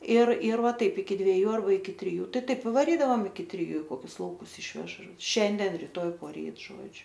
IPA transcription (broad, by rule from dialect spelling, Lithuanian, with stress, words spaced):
ɪr ɪr ˈʋɐ ˈtɐɪp ɪkʲɪ dʲʋʲiɛˈjuː ɐrˈbɐ ɪkʲɪ tʲrʲɪˈjuː ˈtɐɪ ˈtɐɪp ɪ ʋɐˈrʲiːdɐʋɐm ɪkʲɪ tʲrʲɪˈjuː ɪ ˈkoːkʲʊs lˠɐʊˈkʊs ˈɪʃʲʋʲɛʃ ˈʃʲɛnʲdʲɛn rʲɪˈtoːj poːˈrʲiːt ˈʒoːd͡ʒʲʊ